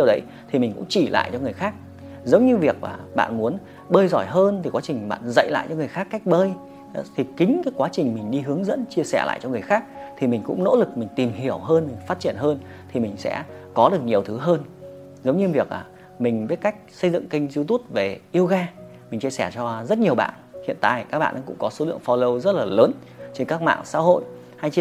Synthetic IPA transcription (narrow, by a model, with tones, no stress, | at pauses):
i˧˨wɗə˨˦j | t̪ʰi˨˩mï˨˩ŋ̟kʊ̰˧˥ŋ͡mt͡ɕi˧˩lʔa̰ː˧˨jt͡ɕɔ˧ŋɨ˨˩əjxaː˦˥k̚ | zə˨˦wŋ͡mɲɨ˧vi˨˩ək̚ma̰ː˨˩ɓa̰ː˧˨nmu˨˦ən | ɓəː˧jzɔ˧˩jɦəː˧nt̪ʰi˨˩kwaː˨˦t͡ɕï˨˩ŋ̟ɓa̰ː˧˨nzə̰˧˨jla̰ː˧˨jt͡ɕɔ˧ŋɨ˨˩əjxaː˦˥kːa˦˥jk̚ɓəː˧j | t̪ʰi˨˩kï˨˦ŋ̟kaː˨˦jkwaː˨˦t͡ɕï˨˩ŋ̟mï˨˩ŋ̟ɗi˧ɦɨ˨˦əŋzə̰˧˥nt͡ɕi˧əsɛ˧˩la̰ː˧˨jt͡ɕɔ˧ŋɨ˨˩əjxaː˦˥k̚t̪ʰi˨˩mï˨˩ŋ̟kʊ̰˧˥ŋ͡mno̰˧˥lɨ˨˩k̚mï˨˩ŋ̟t̪i˨˩mɦi˧˩əwɦəː˧nmï˨˩ŋ̟faː˦˥t̚t͡ɕi˧˩ənɦəː˧n | t̪ʰi˨˩mï˨˩ŋ̟sɛ̰˧˥kɔ˨˦ɗɨ˨˩ək̚ɲi˨˩əwt̪ʰɨ˨˦ɦəː˧n | zə˨˦wŋ͡mɲɨ˧vi˨˩ək̚laː˨˩ | mï˨˩ŋ̟ɓiː˦˥ka˦˥jk̚sə˧jzɨ̰˧˨ŋkï˧ŋ̟zi˧wt̪u˦˥t̚ve˨˩ʔi˧əwɣaː˧ | mï˨˩ŋ̟t͡ɕi˧əsɛ˧˩t͡ɕɔ˧zə˦˥t̚ɲi˨˩əwɓa̰ː˧˨nhḭ˧˨ənt̪a̰ː˧˨jkaː˦˥k̚ɓa̰ː˧nʔːkʊ̰˧˥ŋ͡mkɔ˨˦so˨˦lɨ̰˧˨əŋfɔ˧lə˧wzə˦˥t̚laː˨˩ləː˨˦n | t͡ɕe˧nkaː˦˥k̚ma̰ː˧˨ŋsa̰ː˧˥ho̰˧˨jʔ | ha˧jt͡ɕ